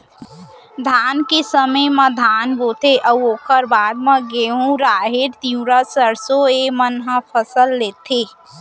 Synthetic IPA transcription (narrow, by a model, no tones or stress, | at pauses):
d̪ʱaːnkesəməjmə̃d̪ʱaːnboːt̪eʔəwoːkʰəɾbaːd̪̚mə̃ɡeɦũɾaːɦeɾt̪iũɾəsəɾsoemənɦə̃pʰəsəlːeːt̪ʰe